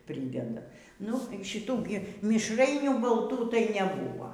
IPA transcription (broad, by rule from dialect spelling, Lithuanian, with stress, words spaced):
ˈpʲrʲiːdʲɛdɐ ˈnʊ ˈʃʲɪtuː ˈɡʲɪ mʲɪʃˈrɐɪnʲuː bɐlˠˈtuː tɐɪ nʲɛˈbuːʋɐ